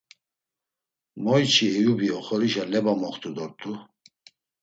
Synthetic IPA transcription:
mɔjt͡ʃʰiɛjubiɔχɔɾiʃalɛbamɔχt̪ʰʼud̪ɔɾt̪ʼu

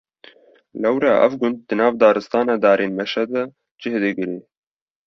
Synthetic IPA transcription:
lɛwɾaʔɛ̰vɡʊnd̪̚d̪ɨnɑːvd̪ɑːɾɨst̪ɑːnɑːd̪ɑːɾʔeːnmɛʃɛd̪ɛ | d͡ʒɪhd̪ɨɡɨɾeː

